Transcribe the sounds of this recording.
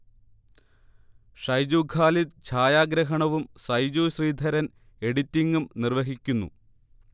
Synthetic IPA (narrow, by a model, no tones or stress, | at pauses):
ʂɐjd͡ʑuːkʰaːlid̪̚t͡ɕʰaːjaːɡɾɐɦɐɳɐʋumsɐjd͡ʑuːɕriːd̪ʱɐɾɐn | e̞ɽitːiŋɡumnirʋɐɦikʲːunːṵ